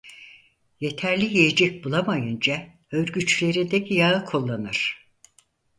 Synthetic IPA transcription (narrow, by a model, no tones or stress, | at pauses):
je̞t̪ʰæɾlʲijijed͡ʒɛc̚bulˠamajɯnd͡ʒa | øɾɡyt͡ʃlʲe̞ɾind̪ɛcʰijaɯkʰolˠːanɯɾ̥